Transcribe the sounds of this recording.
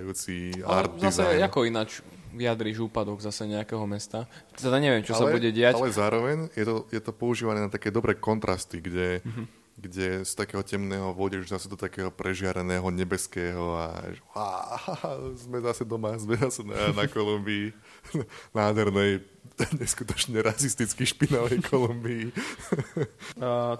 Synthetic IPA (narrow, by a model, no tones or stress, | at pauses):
juːt͡siaɾt̪ːzaszɛakɔinat͡ʃ | ʋiad̪ɾiʒuːpad̪ɔɡzasɛɲɛakɛɦɔmɛst̪at̪ɛd̪aɲɛʋɛmt͡ʃɔsabɛuɟɛɟɛaalɛzaːɾɔʋɛɲjɛt̪ɔjɛt̪ɔpɔuʒiːʋanɛːnat̪akɛːd̪ɔbɾɛːkɔnt̪ɾʔast̪iɡɟɛ | ɡɟɛst̪akɛːɦɔcɛmnɛːɦɔʋʊɔɟɛzasɛd̪ɔt̪akɛːɦɔpɾɛʒɪaɾɛnɛːɦɔɲɛbɛskɛːɦɔa̰hahaazmɛzasɛd̪ɔmazmɛzasɛnanakɔlumbiː | naːd̪ʱɦɛɾnɛj | ɲɛskut̪ɔ̥t͡ʃɲɛɾasist̪it͡skiʃpinɔʋɛjkʰɔlumbiː